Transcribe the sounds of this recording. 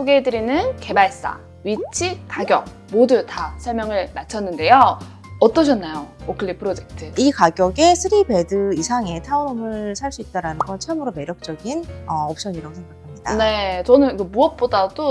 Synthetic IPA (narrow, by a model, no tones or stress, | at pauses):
sʰoɡedɯɾinɯnke̞baɭs͈a̰ | ɥit͡ɕʰikaɡjʌk̚ | modutasʰʌɭmjʌŋɯɭmat͡ɕʰʌnːɯnde̞jo | ʌt͈ʌɕ̬ʰʌnːajookʰɯɭːipʰɯɾod͡ʑek̚tʰɯikaɡjʌɡe̞sʰɯɾibe̞dɯisʰaŋe̞tʰaunomɯɭsʰaɭs͈uit̚t͈aɾanɯnɡʌnt͡ɕʰʌmɯɾome̞ɾjʌk̚t͡ɕ͈ʌɡinʌʌp̚ɕ͈ʌɲiɾaɡosʰeŋɡakʰamɲid̥ane̞t͡ɕʌnɯnkɯmuʌp̚p͈odado